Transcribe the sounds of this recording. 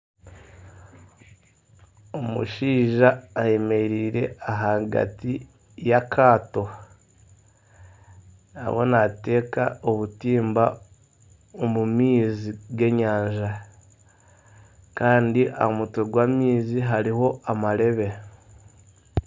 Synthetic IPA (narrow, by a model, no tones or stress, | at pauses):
omṵʃiːʒaːje̞meɾiːɾe̞̰aɦaɡa̰ti | jakʰaːto̞ | na̰βonate̞ːka̰oβutiːmba | omumiːziɡe̞ɲaːɲʒa | kaːndiʔa̰mutoɡwaːmiːziɦaɾiho̞ʔamaɾe̞βe̞